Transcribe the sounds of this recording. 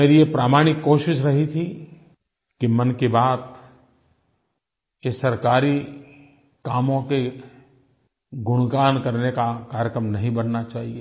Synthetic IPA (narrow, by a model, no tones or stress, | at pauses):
meːɾijepɾaːmaːɽ̃ɪkːoːʃɪʃɾɐɦit̪ʰi | kimɐnkebaːt̪ | jesɐɾkaːɾi | kaːmõke | ɡʊɽ̃ɡaːnkɐɾnekakaːɾjəkɾəmnɐɦĩbɐnːat͡ʃaːɦieː